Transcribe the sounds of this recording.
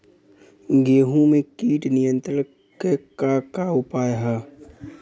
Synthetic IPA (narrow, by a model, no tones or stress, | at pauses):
ɡeːɦũmẽkiːʈnɪjə̃nt̪ɾə | kekakaʊpaːjɦɛː